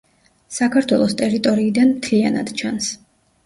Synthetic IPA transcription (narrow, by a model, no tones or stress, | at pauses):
sakʰaɾt̪ʰwɛlˠɔst̪ʼɛɾit̪ʼɔɾiːd̪anmt̪ʰliana̰d̪̥t͡ʃʰans